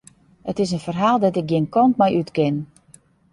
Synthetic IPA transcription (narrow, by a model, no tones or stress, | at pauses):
ətɪsənfərɦaːlˠdɔtɪk̚ɡɪənkɔntmɛjʔytkɪn